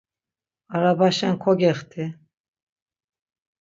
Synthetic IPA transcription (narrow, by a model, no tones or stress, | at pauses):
aɾabaʃɛnkʰɔɡɛχt̪ʰi